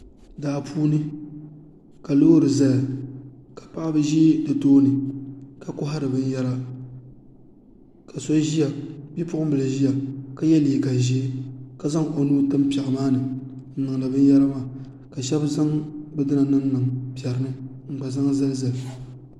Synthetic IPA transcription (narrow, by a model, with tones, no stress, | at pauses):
daː˨pʰuː˦nɨ˦ | ka˨loː˦ɾɨ˨za˦lkḁ˨pa˦ʔbɨ˦ʒi˦dɨ˨toː˦nɨ˨ka˨kʊ˦ɦa˦ɾɨ˨bɨ˦n˦jɛ˦ɾa˦ | ka˨so˦ʒi˦a˨bi˦pʊ˦ʊ˦bɨ˨la˨ʒi˦ja˨ka˨jɛ˦liː˨ɡa˨ʒe˦ka˨za˦ŋo˨nuː˦tɨ˦mpɛ˨ɣmaː˦nɨ˨ | n̩˨nɨ˨ŋ˨la˨bɨ˦n˦jɛ˦ɾa˦maː˦˨ | ka˨ʃɛ˦bza˦ŋbɨ˦dɨ˦na˨nɨ˦n˦nɨ˨ŋ˨pi˨ɛ˨ɾɨ˦nɨ˦ŋ͡m̩˨ɡ͡ba˨za˦ŋ˦za˦lza˨l